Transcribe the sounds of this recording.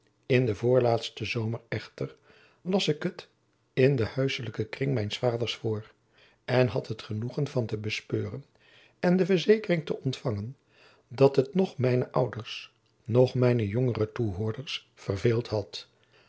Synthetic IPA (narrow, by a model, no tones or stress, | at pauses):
ɪndəvʊːɹlaːtstəzowmərɛχtər | lɑsɪkɦət | ɪndəhœɥsələkəkrɪŋmɛjnsfaːdəɹsfʊːr | ɛnɦɑtɦətχənuχənvɑntəbəspøːrən | ɛndəvəɹzejkərɪŋtəʔɔntfɑŋən | dɑtɦətnɔχmɛjnəʔʌwdəɹs | nɔχmɛjnəjɔŋərətuɦʊːɹdəɹs | fərveːlˠtɦɑt